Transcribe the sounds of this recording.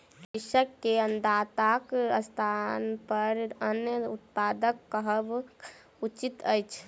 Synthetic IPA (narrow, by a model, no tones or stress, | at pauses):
iʃəkːeənd̪at̪akəst̪ʰanpəɾənjəut̪̚pad̪əkːəɦəb | ut͡ʃit̪əjt͡ʃʰ